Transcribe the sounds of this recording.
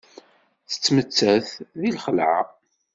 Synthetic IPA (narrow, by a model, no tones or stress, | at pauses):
θə̥t͡sːmət͡sːæθðilχəlʕa̰